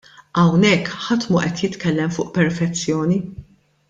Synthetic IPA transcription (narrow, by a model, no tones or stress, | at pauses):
ɐwnɛkːħɐt̪muʔɛt̪jɪt̪kɛlːɛmfʊːʔpɛɾfɛt͡sːjɔːni